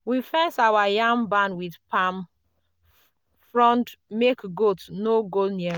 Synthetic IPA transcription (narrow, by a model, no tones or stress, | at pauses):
wifɛsawajãŋbãnwidpam | fɹɔ̃ndmekɡotnoɡoniɛ